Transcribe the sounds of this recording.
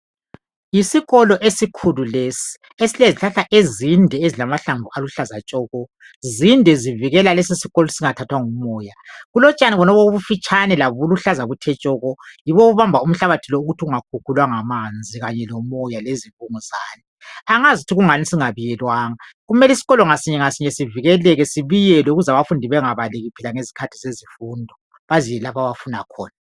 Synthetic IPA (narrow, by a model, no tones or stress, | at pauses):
isiɣɔlɔʔesikʰululesi̥ | esileziɬaɬaʔezindʱɛezilamaɬaɱvʱualuɬazat͡ʃʼɔːɣɔ | zindʱɛziviɣɛlalesisiɣɔlɔsiŋatʰatʰwaŋumɔːjaɣulɔt͡ʃʼaniɣɔnɔβouβufit͡ʃʼʰanɛlaβuluɬazaɣutʰɛt͡ʃʼɔːɣɔjiβɔuβambʱaum̩ɬaβatʰilɔuɣutʰiuŋakʰukʰulwaŋamand͡zʱiɣaɲɛlɔmɔjaleziβʼuŋuzaːni | aŋazitʰiɣuŋanisiŋaβijɛlwaːŋaɣumɛlisiɣɔlɔŋasiɲɛŋasiɲɛsiviɣɛlɛɣɛsiβijɛlɛuɣuzaβafundʱiβɛŋaβalɛɣupʰilaŋezi̥kʰatʰi̥zezifuːndʱɔ | βazijɛlapʰaβafunakʰɔ̰ːna